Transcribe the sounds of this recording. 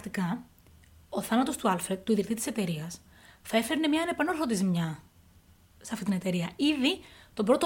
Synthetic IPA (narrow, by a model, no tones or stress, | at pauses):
t̪ikɐ | o̞θɐnɐt̪o̞st̪uɐlfɾed̪̚t̪uiðɾit̪it̪i̥se̞t̪e̞ɾiɐs | θɐe̞fe̞ɾne̞mɲɐːne̞pɐnoɾθo̞t̪̬izimɲɐ | seɐft̪it̪ine̞t̪e̞ɾiɐiðit̪obɾot̪o